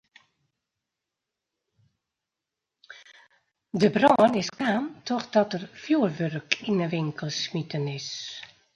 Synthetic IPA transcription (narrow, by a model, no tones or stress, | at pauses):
dəbrɔnɪskaːntʰɔxdɔtərfjuərʋørkinəʋɪŋkəlˠsmitənɪs